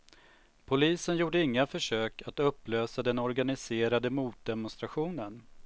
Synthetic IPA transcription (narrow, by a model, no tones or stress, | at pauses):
pʰʊliːsənjuːɖəɪŋːafœʂøːkat̪ɵpːløːsad̪ɛnɔɾɡanɪseːɾad̪əmuːt̪̚d̪ɛmɔʊnst̪ɾaɧuːnən